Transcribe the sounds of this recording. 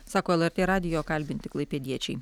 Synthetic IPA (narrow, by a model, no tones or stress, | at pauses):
sɑːkoːɛlˠɛɾʲt̪ʲeːɾɑːd̪ʲɪjoːkɐlʲbʲɪnʲt̪ʲɪklˠɐɪpʲɛd̪ʲiɛt͡ʃʲɛɪ